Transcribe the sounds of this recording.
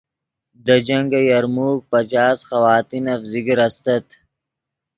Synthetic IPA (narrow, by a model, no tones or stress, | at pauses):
d̪ɐd͡ʑɐŋɡɐjɐɾmuːk̚pɐt͡ɕaːsxɐwaːt̪inɐfzikɾɐst̪ɐt̪